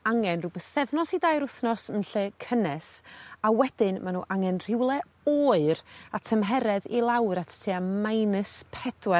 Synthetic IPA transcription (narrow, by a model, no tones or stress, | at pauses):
aŋɛnrubɛθθɛvnɔsidaːjɾʊθnɔsənɬɛkʰənɛsawɛd̥ɪnmanṵːʔaŋɛnr̥ɪwlˠɛ | oːɨɾatʰəmɦɛɾɛðilˠawɾatʰtʰiːamajnɨspʰɛd̥wɛ